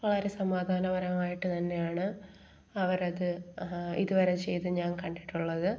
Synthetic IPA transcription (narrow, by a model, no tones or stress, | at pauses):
ʋɐɭɐɾesɐmaːd̪ʱaːnɐʋɐɾɐŋaːjiʈːɨt̪ɐnːe̞jaːɳɨ | ɐʋɐɾɐðɨḭðuʋɐɾet͡ɕe̞jt̪uɲaːnkɐɳɖiʈːuɭːɐðɨ